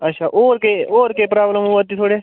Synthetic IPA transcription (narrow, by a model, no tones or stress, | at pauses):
ɐtːʃʰaːʔoːɾkeoːɾkeːpɾaːbləmũːʋət̪ːiːt̪ʰoːɽeː